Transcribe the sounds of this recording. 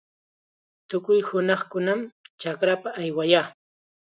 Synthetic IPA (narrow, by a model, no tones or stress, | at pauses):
t̪ʊkʊjhʊnɑχkʊnamt͡ʃakɾapaʔːjwajaː